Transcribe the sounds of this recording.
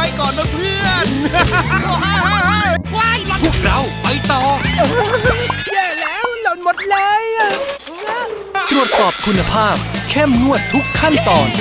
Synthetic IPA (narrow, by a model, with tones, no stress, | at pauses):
a˧jkɔː˨˩nːa˦˥pʰɯ˥˩ən | pʰu˦˥˩ək̚ɾa˧˩wpa˧jt̪ɔː˧ | jɛː˧˩lɛː˦˥wlo˨˧˩nmo˨˩t̪̚lɤː˧˥j | t̪ɾu˨˩ət̪̚sɔː˨˩p̚kʰu˧nːa˧pʰaː˥˩p̚kʰɛ˥˩mːu˥˩ət̪ʰːu˦˥kʰːa˥˩nt̪ɔː˨˩n